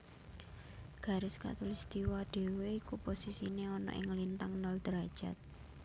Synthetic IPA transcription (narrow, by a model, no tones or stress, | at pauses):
ɡ̥ä̤ɾɪska̰t̪ulist̪iwaɖ̪̥e̤weikuposisineɔnɔ̰ʔɪŋlint̪aŋnɔld̪̥ɾad̥ʒ̥a̤t̪̚